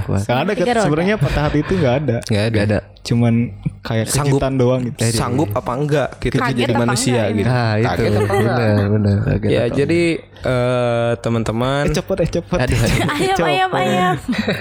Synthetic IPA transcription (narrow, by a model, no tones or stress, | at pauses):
a̰aadaksəbəɾaɲapat̪aɦat̪iːt̪uŋɡaːdaŋɡaaŋɡada | t͡ʃumankajakːəad͡ʒiɡt̪andoaŋɡit̪usaŋɡʊp̚apaəŋɡaʔɡitat̪əd͡ʒadimanusiaɡit̪aiɡ̪ubənərbənəra̰ɡajad͡ʒadi | ʔət̪əmənt̪əmant͡ʃəpət̪̚at͡ʃəpətdt͡ʃəjaa